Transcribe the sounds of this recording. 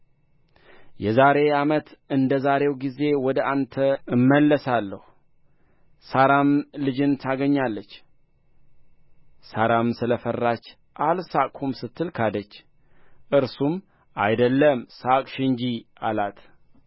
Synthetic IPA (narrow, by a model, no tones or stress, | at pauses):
jɛzaɾe̞amət̪ɨnd̪əzaɾe̞wɡize̞wɔd̪əʔant̪ʰəɨmːəlːəsalːəhu | saɾamlɨd͡ʒɨnt̪ʰaɡəɲːalːət͡ʃː | saɾamsɨləfərːat͡ʃː | ʔalsakʼhumsɨt̪ʰːɨlkʰad̪ət͡ʃː | ʔɨɾsum | ʔajd̪əlːəmsakʼʃɨɲd͡ʒialat̪ʰ